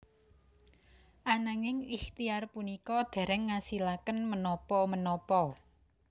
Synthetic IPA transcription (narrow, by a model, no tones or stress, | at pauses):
ʔanaŋɪŋixt̪iarpunikɔd̪̥ɛ̤ɾɛŋːasilakənmənɔpɔmənɔpɔ